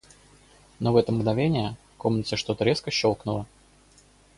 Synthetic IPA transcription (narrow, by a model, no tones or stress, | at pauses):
novɛt̪əmɡnɐvʲenʲɪjə | ko̞mnət̪səʂt̪o̞t̪əɾʲeskəɕːo̞lˠknʊlˠə